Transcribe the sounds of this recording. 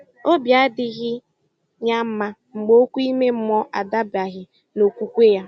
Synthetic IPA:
o˦bja˦dɪ˦ɣɪ˦ | ɲa˦m̩˦ma˦ | ŋ͡m̩˨ɡ͡bo˦kʷu˦i˦me˦m̩˦mɔ˦ʔa˨da˦ba˨ɣɪ˨ | no˨kʷu˦kʷe˦ja˦

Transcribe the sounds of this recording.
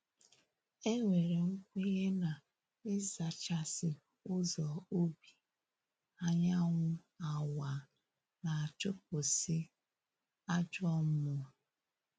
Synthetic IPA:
e˦ŋʷe˨ɾe˨ŋ̩˦kʷe˦ɣe˦na˨ | ɪ˦za˨t͡ʃa˦sɪ˨ | ʊ˦zɔ˨o˦bi˨ | a˦ɲa˦ŋʷʊ˦ | a˨wa˨ | na˨a˨t͡ʃo˦p̚ʊ˨sɪ˦ | a˦d͡ʒɔ˦m̩˦mʊ˨

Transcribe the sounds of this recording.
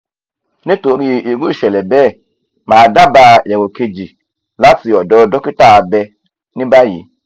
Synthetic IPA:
nĩ˦to˨˦ɾi˦˨i˨ɡu˦i˦˨ʃɛ˨lɛ˨bɛ˦˨ | mãː˨da˦ba˧jɛ˨ɡo˨ke˧d͡ʒi˨ | la˦si˨jɔ˨dɔ˦dɔ˦ki˦ta˦˨bɛ˧ | nĩ˦ba˦jḭ˨˦

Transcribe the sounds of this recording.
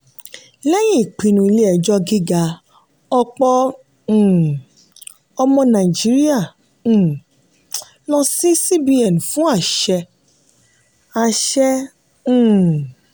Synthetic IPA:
lɛ˦j̃ĩ˦˨k͡pĩ˨˧nũ˨i˧le˦ɛ˨d͡ʒɔ˧˦ɡi˦ɡa˧ | ɔ˧k͡pɔ̃˧˨ | ɔ˧mɔ̃˧nã˨i˨d͡ʒi˨˦ɾi˦ã˦˨ | lɔ˧si˦si˦bi˧ɛ˨n˨fũ˦a˦˨ʃɛ˧ | a˧˨ʃɛ̃˧˦˨

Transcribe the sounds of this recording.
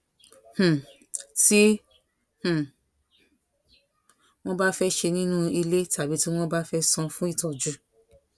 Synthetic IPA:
h̩˨ | ti˦ | h̩˨ | w̃ɔ̃˦ba˦fɛ˦ʃe˧nĩ˦nũ˦i˧le˦ta˨bi˨˦ti˦w̃ɔ̃˦ba˦fɛ˦sɔ̃˧fũ˦i˦˨tɔ˨d͡ʒu˦

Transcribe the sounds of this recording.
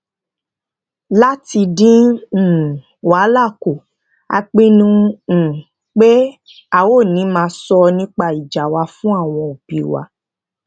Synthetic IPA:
la˦ti˧dĩ˦˨ | wa˨˦la˦˨ko˨ | a̰˧k͡pĩ˧nũ˧˨ | k͡pe˦ | a˦˨wo˦˨nĩ˨˦mãː˧˦sɔ˧nĩ˦k͡pa˧i˨d͡ʒa˨wa˧fũ˦a˦˨w̃ɔ̃˧o˨bi˨wa̰˨˦

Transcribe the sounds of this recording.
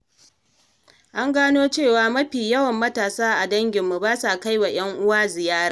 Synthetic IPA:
ʔa˦ŋɡaː˦noː˦t͡ʃeː˦˨waː˨mɐ˦ɸiː˨jɐ˦wɐ˨mːɐ˦taː˨saː˦ʔa˨dɐ˦ŋɡʲɪ˨mːu˨baː˦sa˨ka˦jwa˨j̰ʲɐ˦ŋʔʊ˦waː˦zɪ˨jaː˦ɾaː˦

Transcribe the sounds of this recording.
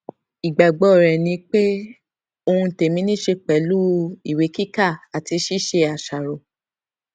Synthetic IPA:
i˨ɡ͡ba˨ɡ͡bɔ˧˨ɾɛ˨nĩ˧k͡pe˦ | o˧hũ˧te˨mĩ˨˦nĩ˦ʃe˧k͡pɛ˨˦lu˦i˨we˨˦ki˦ka˦˨a˨ti˧ʃi˦ʃe˧a˨ʃa˨ɾo˨

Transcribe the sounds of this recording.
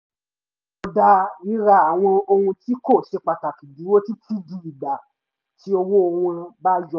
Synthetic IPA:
o˧da˧i˧ɾa˧a˨w̃ɔ̃˧o˧hũ˧ti˦ko˦˨ʃe˧k͡pa˨ta˨ki˨di˨˦wo˦ti˦tʰi˦di˨˦i˨ɡ͡ba˨ | ti˦o˧wo˦o˧wũ˧ba˦d͡ʒɔ˧

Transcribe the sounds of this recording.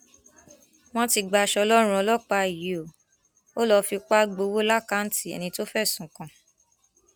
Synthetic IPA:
w̃ɔ̃˦ti˧ɡ͡ba˧ʃɔ˧lɔ˦ɾ̃ũ˦ɔ˧lɔ˦˨k͡pa˧i˨ji˨o˨ | o˦lɔ˧fi˧k͡pa˦ɡ͡bo˧wo˦la˦ka˨˦n̩˦ti˦˨ɛ̰˨nĩ˧to˦fɛ˦˨sũ˨˦kã˧˨

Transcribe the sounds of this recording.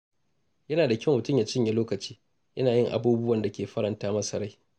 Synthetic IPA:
jɐ˦naː˨da˨kʲɪ˦˨mʊ˨tʊ˦˨mjaː˨t͡ʃɪ˦mja˦loː˦kɐ˨t͡ʃiː˦ | jʔɐ˦naː˨jɪ˦˨ŋʔa̰˨buː˦bʊ˦wɐ˨nda˨kʲeː˨ɸɐ˦ɾɐ˨ntaː˦mɐ˦sɐ˨ɾa˦j

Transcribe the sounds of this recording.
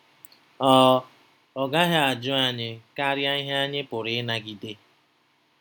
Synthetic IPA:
ɔː˦ | ɔ˨ɡa˦ɦa˦a˨d͡ʒʊ˦a˦ɲɪ˦ka˦ɾja˦i˦ɦa˦ɲɪ˦pʊ˨ɾɪ˨ɪ˦na˦ɡi˨de˦

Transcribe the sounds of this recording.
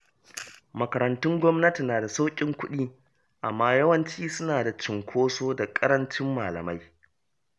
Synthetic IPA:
mɐ˨kɐ˨ɾɐ˨ntʊ˦ŋɡʷɔ˦mnɐ˦ti˨naː˨da˨sa˦wkʲʼɪ˦ŋkʷʊ˦ɗiː˦ | ʔa˨mːaː˦jɐ˦wɐ˦nt͡ʃiː˦sʊ˦naː˨da˨t͡ʃɪ˨ŋkʷʰoː˦soː˦da˨kʼɐ˦ɾɐ˦nt͡ʃɪ˦mːaː˨lɐ̰˨ma˦j

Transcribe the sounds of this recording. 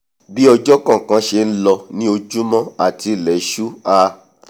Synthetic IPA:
bi˦ɔ˧d͡ʒɔ˦kã˦˨kã˧ʃe˧n̩˦lɔ˧nĩ˦o˧d͡ʒu˦mɔ̃˦a˦˨ti˧˨lɛ˨˦ʃu˦a˧

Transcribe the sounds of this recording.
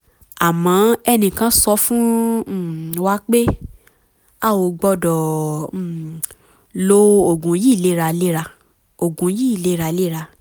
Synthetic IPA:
a˨mã˨˦ɛ˧nĩ˧˨kã˨˦sɔ˧fũ˦˨ | wa˦k͡pe˦ | a˦˨wo˧˨ɡ͡bɔ˧dɔ˨˦˨ | lo˧˦o˨ɡũ˨˦ji˦˨le˨˦˧ɾa˧le˦ɾa˧ | o˨ɡũ˨˦ji˦i˦˨le˦ɾa˧le˦ɾa˧

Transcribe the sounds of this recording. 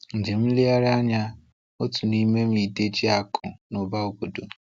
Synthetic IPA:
n̩˨d͡ʒe˨m̩˦li˦a˦ɾɪ˦a˦ɲa˦ | o˦tu˨ni˦me˦m̩˦i˨de˦d͡ʒi˦a˦kʰʊ̰˨no˨ba˦o˨ko˨do˨

